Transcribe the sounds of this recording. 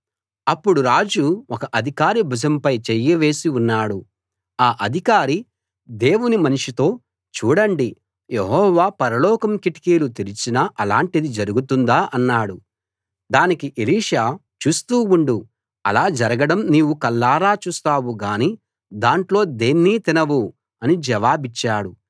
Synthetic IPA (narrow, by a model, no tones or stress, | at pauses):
ɐpːuɽuɾaːd͡ʒuɔkɐʔɐd̪ʱikaːɾibʱud͡ʒɐmpɐjt͡ʃejːɐʋe̞ːsiunːaːɽu | aːʔɐd̪ʱikaːɾi | d̪e̞ːwunimɐniʂit̪o̞ː | t͡ʃuːɽɐɳɖi | jeɦɔːʋaːpɐɾɐlɔːkɐmkiʈi̥kiːlut̪iɾit͡ʃinɐʔɐlaːɳʈid̪id͡ʒɐɾuɡut̪und̪aːʔɐnːaːɽu | d̪aːnikiʔeliːʂaː | t͡ʃuːst̪uːuɳɖu | ɐ̰laːd͡ʒɐɾɐɡɐɽɐmniːwukɐlːaːɾaːt͡ʃuːst̪aːwuɡaːniː | d̪aːɳʈlo̞ːd̪e̞ːnːiːt̪inɐwu | ɐnid͡ʒɐʋaːbit͡ʃːaːɽu